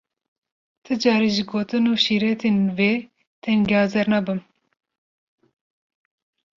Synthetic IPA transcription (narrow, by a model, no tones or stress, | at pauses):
t̪ʰɨd͡ʒɑːɾiʒɨɡoːt̪ɨnuːʃiːɾɛt̪ʰenve | t̪ʰɛnɡʲɛhɑːzɛɾnɑbɨm